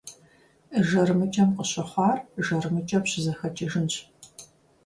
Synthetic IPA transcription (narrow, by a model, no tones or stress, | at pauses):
əʒɐɾɨmɨt͡ʃʼɐmqəɕɐχʷɑːrʒɐrɨmɨt͡ʃʼɐmɕɪzɐxɐt͡ʃʼɪʒɨnɕʼ